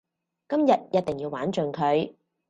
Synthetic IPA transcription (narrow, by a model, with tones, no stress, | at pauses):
kɐ˥mjɐ˨t̚jɐ˥t̚t̪ɪ˨˩ŋjiː˧waː˨˥nt͡ʃɵ˨ŋkʰɵ˨˧ɥ